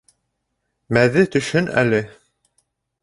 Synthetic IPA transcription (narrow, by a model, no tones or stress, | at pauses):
mæðɘt̪ɵ̆ʃhɵnæ̰lɘ